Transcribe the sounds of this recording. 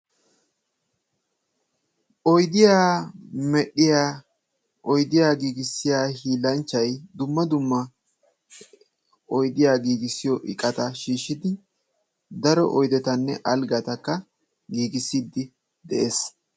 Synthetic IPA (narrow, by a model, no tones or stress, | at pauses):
ʔɔjd̪ɪjaːmɛɗɪjaː | ʔɔjd̪ɪjaːɡiːɡɪsːɪjaːhiːlɐnt͡ʃːɐjd̪ʊmːɐd̪ʊmːɐ | ɔjd̪ɪjaːɡiːɡɪsːɪjɔʔɪ̰kʼːɐt̪ɐʃiːʃːɪd̪ɪ | d̪ɐɾɔ̰ʔɔjd̪ɛt̪ɐnːɛ̰ʔɐlɡɐt̪ɐkːɐ | ɡiːɡɪsːiːd̪ɪ | d̪ɛʔeːs